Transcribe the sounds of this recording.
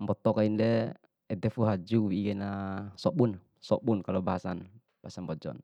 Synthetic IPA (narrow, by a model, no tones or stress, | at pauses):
mbɔt̪ɔkaindɛ | ɛd̪ɛfuɦad͡ʒuwiiɡɛnasɔɓun | sɔɓunkalɔbaɦasan | b̥aasambɔd͡ʒɔ̰n